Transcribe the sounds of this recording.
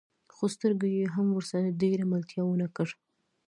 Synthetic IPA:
xost̪əɾɡajeɦamwəɾsaɾaɖeɾamalt̪jɑwənakəʐ

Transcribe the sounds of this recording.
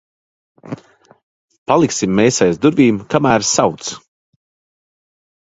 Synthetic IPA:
palˠiksimːɛːsajzd̪uɾvʲiːmkamæːɾsawt̪s

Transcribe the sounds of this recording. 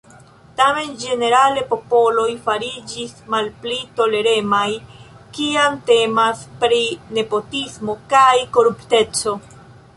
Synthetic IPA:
tame̞nd͡ʒe̞ne̞ɾale̞po̞po̞lo̞jfaɾid͡ʒismalplito̞le̞ɾe̞maj | kiamte̞maspɾine̞po̞tismo̞kajko̞ɾupte̞t͡so̞

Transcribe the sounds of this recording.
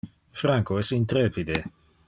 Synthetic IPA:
fɾaŋkoɛsint̪ɾeːpid̪e

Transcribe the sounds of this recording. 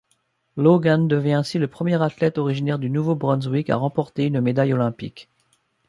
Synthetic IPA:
loɡand̪əvjɛ̃ɛ̃siləpχəmjɛʁat̪lɛt̪ɔʁiʒinɛʁd̪ynuvobʁɔ̃nzwika̰ʁɑ̃pɔʁt̪eynmed̪ajɔlɛ̃pḭk

